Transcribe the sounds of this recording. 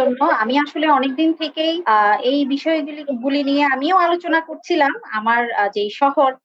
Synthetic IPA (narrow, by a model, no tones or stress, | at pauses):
onːoamiaʃoleɔnek̚d̪int̪ʰekejejbiʃɔeɡuliɡulinieamiewalot͡ɕonakoɾt͡ɕʰilama̰maɾd͡ʑejʃɔhoɾ